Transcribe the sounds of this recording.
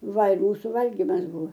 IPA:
ˈʋɐlˠk ˈmuːsʊ ˈʋɐlʲɡʲɪmɐs ˈbʊʋɐ

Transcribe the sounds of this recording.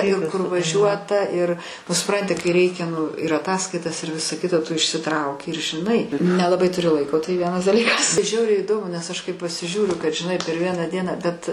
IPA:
ɪr kʊr ʋɐˈʒʲuɔtɐ ɪr nʊ sʊˈprɐnʲtʲɪ kɐɪ ˈrʲɛɪkʲɛ nʊ ɪr ɐˈtɑːskɐɪtɐs ɪr ˈʋʲɪsɐ ˈkʲɪtɐ tʊ ɪʃʲsʲɪˈtrɐʊkʲɪ ɪr ʒʲɪˈnɐɪ nʲɛlˠɐˈbɐɪ tʊˈrʲɪ ˈlˠɐɪkoː tɐɪ ˈʋʲiɛnɐs dɐˈlʲiːkɐs ˈʒʲɛʊrʲɛɪ iːˈdoːmʊ nʲɛs ˈɐʃ kɐɪ pɐsʲɪˈʒʲuːrʲʊ kɐt ʒʲɪˈnɐɪ pʲɛr ˈʋʲiɛnɑː ˈdʲiɛnɑː bʲɛt

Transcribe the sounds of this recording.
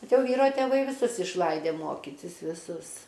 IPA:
ˈbʲɛt ˈjɛʊ ˈʋʲiːroː tʲeːˈʋɐɪ ʋʲɪˈsʊs ɪʃˈlˠɐɪdʲeː ˈmoːkʲiːtʲɪs ʋʲɪˈsʊs

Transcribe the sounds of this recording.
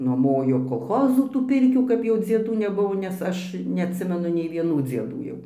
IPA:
nuɔˈmoːjoː koːlˠˈxoːzʊ tuː ˈpʲɪrʲkʲuː kɐp ˈjɛʊ d͡zʲiɛˈduː nʲɛˈbʊʋoː nʲɛs ˈɐʃ nʲɛɐtʲˈsʲɪmʲɛnʊ nʲɛɪ ʋʲiɛˈnuː d͡zʲiɛˈduː jɛʊ

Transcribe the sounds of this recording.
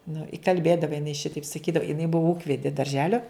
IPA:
nʊ ɪ kɐlʲˈbʲeːdɐʋoː jɪˈnɐɪ ˈʃʲɪtɐɪp sɐˈkʲiːdɐʋoː jɪˈnɐɪ ˈbʊʋoː ˈuːkʋʲɛdʲɪ dɐrʲˈʒʲæːlʲoː

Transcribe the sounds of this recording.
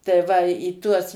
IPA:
tɐɪ ˈʋɐ iː ˈtuɔs

